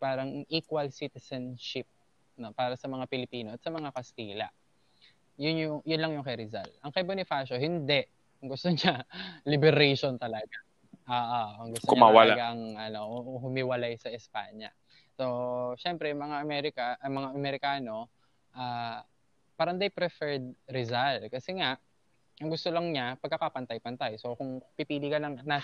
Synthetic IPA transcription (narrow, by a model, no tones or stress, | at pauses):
paːɾɐŋʔiːkwɐlsit̪ɛsɐnʃɪp̚ | no̞paːɾɐsɐmɐŋapɪlɪpiːno̞ʔɐt̪sɐmɐŋakɐst̪iːlɐ̰ | jʊnjʊŋjʊnlɐŋjʊŋkɐjɾɪza̰lt̪ʔɐŋkɐjbonɪfaːʃoɦɪnd̪ɛʔ | ʊŋɡʊst̪oɲɲalɪbɛɾɛjʃont̪ɐlɐɡa | ʔaːʔaɐŋɡʊst̪ʊɲmaɐwalaɡaʔɐŋʔɐno̞ʔhʊmɪwɐlajsɐʔɪspa̰ːɲɐ̰ | so̞ʃɛmpɾɛjʊŋmɐŋaʔɐmɛɾɪkɐɐmɐŋaʔɐmɛɾɪkaːno̞ | ʔaː | pɐɾɐnd̪ajpɾɛfɛɹd̪̚ɾɪzalkɐsɛŋaʔ | ʔɐŋɡʊst̪olɐŋɲapɐɡ̚kːɐkapɐnt̪ajpɐnt̪ajso̞kʊŋpipiːlɪkɐnɐŋna